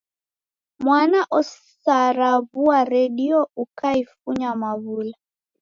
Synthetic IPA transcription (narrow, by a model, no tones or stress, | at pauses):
mwanaʔɔssaɾaβuaɾɛɗiɔukaifuɲamaβula